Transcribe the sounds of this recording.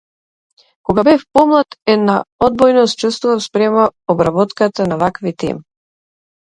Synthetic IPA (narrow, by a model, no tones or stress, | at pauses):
kɔɡabɛfpɔmlˠat̪ɛd̪naɔd̪̚bɔjnɔst̪t͡ʃust̪vuvafspɾɛmaɔbɾabɔt̪kat̪anavakvit̪ɛ̰mi